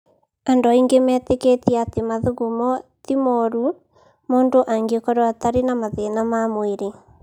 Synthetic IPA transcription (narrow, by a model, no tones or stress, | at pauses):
andoaiŋɡemɛːteketiatemaðuɣumɔtimɔɾu | moːndoʔaŋɡekɔɾɔataɾenamaðenamamoeɾe